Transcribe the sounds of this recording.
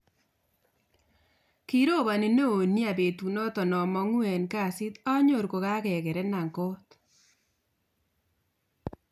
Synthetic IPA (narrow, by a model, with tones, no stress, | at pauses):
ki˦ɾo˦˨βa˨ni˨no˦o˨nja˨be˨tu˨nɔ˦tɔ˨nɔ˨mɔ˦ŋwɛ˨nka˦˨si˦t̪a˦ɲo˨ɾko˨ka˦kɛ˨kɛ˨ɾɛ˦na˨ŋko˦t̪